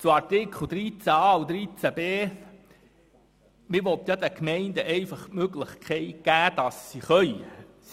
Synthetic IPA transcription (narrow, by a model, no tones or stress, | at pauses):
t͡suɑɾtɪkχl̩d̥̪ɾit͡sæɑuwd̪ɾit͡sæbeː | mɪɾʋɔt̪jɑd̪ækmɛɪnd̪əʔɛɪfɑχtmøɡlɪχkʰɛɪt̚ɡ̥æːd̪̥ɑsːiχœʏ